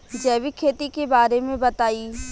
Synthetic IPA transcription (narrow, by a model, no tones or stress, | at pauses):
d͡ʒɛːʋikʰeːt̪ikebaːɾemẽbɐt̪aːi